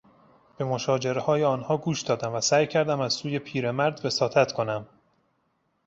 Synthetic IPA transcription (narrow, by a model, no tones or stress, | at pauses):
b̥e̞mo̞ʃɒːd͡ʒe̞ɾe̞hɒːjeɒːnhɒːɡuːʃd̪̥ɒːd̪æmvæsæːjcʰæɾd̪æmæzsuːje̞pʰiːɾe̞mæɾd̪ve̞sɒːt̪ʰæt̪kʰo̞næm